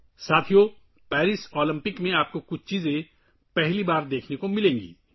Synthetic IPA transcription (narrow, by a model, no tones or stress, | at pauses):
saːt̪ʰijo | pɛːɾɪsɔːlə̃mpɪkmẽaːp̚kokʊt͡ʃʰt͡ʃiːzẽ | pɛɦlibaːɾd̪eːkʰnekomɪlẽːŋɡḭː